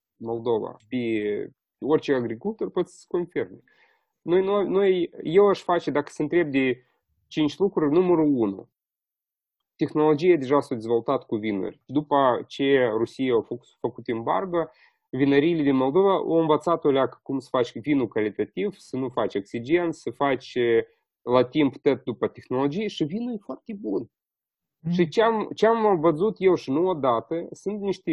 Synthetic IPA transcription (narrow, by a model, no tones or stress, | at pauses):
mo̞ld̪o̞va̰pʲe | orʲt͡ʃeaɡɾikulˠt̪orʲpot̪sʲə̥skonfirm | nojnuanojje̞waʃfat͡ʃed̪akə̥səɨnt̪ɾe̞b̚d̪e | t͡ʃint͡ʃʲlukɾurʲnuməɾuunṵ | t̪e̞xno̞lo̞d͡ʒijad̪e̞ʒasad̪ʲezvolut̪at̪kuvinṵrʲd̪upət͡ʃerusijeawf | fəkut̪ɨmba̰rɡə | vinəɾijlʲed̪inmo̞lˠd̪o̞vao̰wɨnvət̪sat̪olʲakə̥kumsə̥fat͡ʃʲvinukalit̪at̪ivsənufat͡ʃʲaksʲid͡ʒe̞nt̪sʲsəfat͡ʃʲ | lat̪impt̪ot̪̚d̪upət̪exno̞lo̞d͡ʒijeʃivinujʲfoart̪ʲebun | ʃit͡ʃeamt͡ʃeamvəzut̪je̞wʃinuod̪at̪əsunt̪niʃt̪ʲe